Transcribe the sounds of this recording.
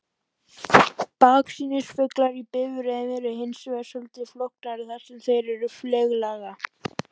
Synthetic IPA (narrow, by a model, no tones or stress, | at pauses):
paːksiːnʏsfʏklaɾipɪːvʏɾɛvɪɾɪɦejnsvɛsʏlt̪ɪflɔhknaɾɪθasɛmθejɾɛɾʏflɛːɣlaɣa